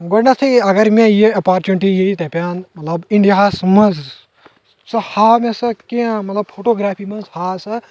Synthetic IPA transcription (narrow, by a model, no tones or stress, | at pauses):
ɡoɖnɐt͡sʰiɐɡɐɾmẽjeɐpaːɾt͡ʃmeɳʈijeit̪ɐpʲaːnmɐt̪lɐbiɳɖijaɦasmɐnz | sɐhaːmẽsɐkẽmɐt̪lɐb̚pʰoːʈoːɡɾaːpʰimɐ̃nzhaːsɐ